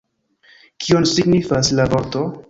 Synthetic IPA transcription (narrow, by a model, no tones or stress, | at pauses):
kʰionsiɡnifaslavoɾto̞